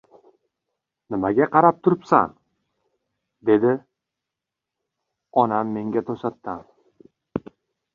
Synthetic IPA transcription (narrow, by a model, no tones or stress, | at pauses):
nɪmaɡʲaqʰɑɾap̚t̪ʰʊɾɪpsa̰n | d̪e̞d̪ɪ | ɒnamːe̞ŋɡʲat̪ʰosat̪ːan